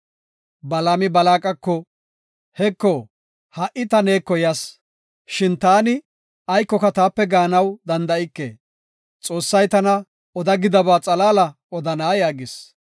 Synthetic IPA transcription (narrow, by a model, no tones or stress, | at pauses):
bɐlamɪbɐlaːkʼɐkːɔ | hɛkːɔ | hɐʔɪt̪ɐne̞ːkːɔjɐs | ʃɪnt̪aːnɪ | ɐjkːɔkɐt̪aːpːɛɡaːnɐwd̪ɐnd̪ɐɪkːḛː | t͡sʼo̞ːsːɐjt̪ɐnɐ | ɔd̪ɐɡɪd̪ɐbaːt͡sʼɐlaːlɐ | ɔd̪ɐnaːjaːɡɪs